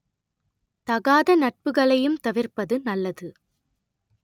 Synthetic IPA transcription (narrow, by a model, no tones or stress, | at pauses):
t̪ɐɣaːðɐnɐʈ̚pɯɣɐɭɐjɯmt̪ɐʋɪrpɐðɯnɐlːɐðɯ